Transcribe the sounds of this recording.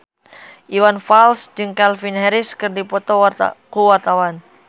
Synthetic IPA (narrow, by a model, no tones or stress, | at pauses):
ʔiwanfalsd͡ʒɨŋkalfinɦɛɾɪskɨrdipɔt̪ɔkuwart̪awan